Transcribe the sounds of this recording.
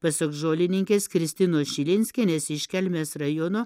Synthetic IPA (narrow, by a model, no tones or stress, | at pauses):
pɐsɐkʒoːlʲɪnʲɪŋʲkʲeːskɾʲɪsʲt̪ʲɪnoːsʃʲɪlʲɪnʲsʲkʲɛnʲesɪʃʲkʲɛlʲmʲeːsrɐjonoː